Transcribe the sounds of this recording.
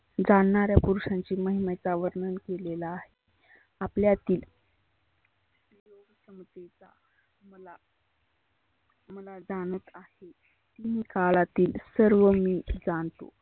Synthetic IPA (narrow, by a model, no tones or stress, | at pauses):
d͡zaɳːaɾjapuɾuʂãɲt͡ɕiːməɦimet͡saʋəɾɳənkelelaːɦe | apljat̪iːl | pejoɡəsəmət̪et͡sa | məla | məlad͡zaɽ̃ət̪ahe | kimiːkaɭat̪iːlsəɾʋəmiːd͡zaɳt̪o̰